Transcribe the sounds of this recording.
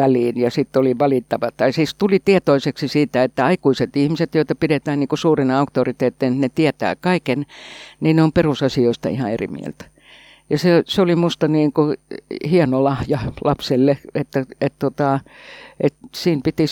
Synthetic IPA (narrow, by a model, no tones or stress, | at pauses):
æliːnjɑsit̪ːoliʋɑlit̪ːɑʋɑt̪ɑisiːst̪ulit̪ieɛt̪oiseksisiːt̪æet̪ːæɑikuiset̪ihmiset̪joit̪ɑpidet̪æːnniːŋkusuːrinɑukt̪orit̪eːt̪ːˑennet̪iæt̪æ̰ːkɑikenniːnneomperusɑsioist̪ɑ̰ihɑerḭmḭæ̰lt̪æ̥ | jɑseseolimust̪ɑniːŋkuhienolɑhjɑlɑpselːeet̪ːæett̪ot̪ɑʔet̪siːmpit̪i